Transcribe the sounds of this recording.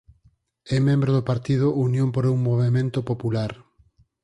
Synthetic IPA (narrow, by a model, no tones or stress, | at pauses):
ɛmẽmbɾoðopaɾt̪ið̞ʊʔunjõmpoɾuŋmoβemẽnt̪opopulaɾ